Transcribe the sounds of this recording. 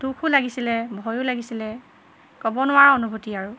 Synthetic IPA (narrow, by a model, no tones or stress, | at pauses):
d̥ukʰʊlaɡisilɛbʱɔjʊlaɡisilɛ | kɔbɔnʊwaɹɔnubʱutiaɹu